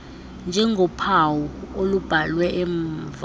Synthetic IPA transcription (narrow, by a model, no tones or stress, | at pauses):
nd͡ʒʱɛŋɡɔpʰawɔolub̥ʱalwɛʔɛɱv